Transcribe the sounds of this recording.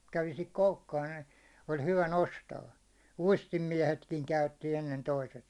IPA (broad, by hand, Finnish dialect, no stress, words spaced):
kæʋi sihik koukːɑːn n̥æ̥i̥ ol hyʋæ nostɑː uistimːiɛhetkiŋ kæytːi enːen toiset